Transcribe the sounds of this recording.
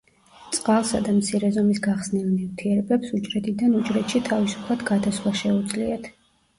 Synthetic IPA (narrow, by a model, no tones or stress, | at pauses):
t̪sʼqʼalˠsad̪amt̪sʰiɾɛzɔmisɡaχsnɛvniɾt̪ʰiɛɾɛbɛpsut͡ʃʼɾɛt̪ʰid̪anut͡ʃʼɾɛt̪ʃit̪ʰavisu̥pʰlˠat̪ɡad̪aswlˠaʃɛud̪zʼliat̪ʰ